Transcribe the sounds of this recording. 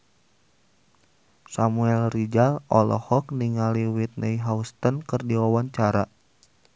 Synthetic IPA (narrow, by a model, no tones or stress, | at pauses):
samuɛlrid͡ʒalɔ̰lɔ̰hɔk̚niŋaliwit̪̚nʔɛjɦaust̪ənkɨrdiwawaɲt͡ʃaɾa